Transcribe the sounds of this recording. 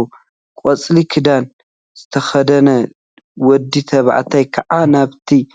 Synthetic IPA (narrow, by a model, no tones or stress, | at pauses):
kʼɔt͡sʼlikʰɨd̪an | z̥ɨt̪ʰɐxɐd̪ɐnɐ | wɔd̪ːit̪ʰɐβ̰ʕ̰t̪ʰajkʰɐʕanaβt̪ʰi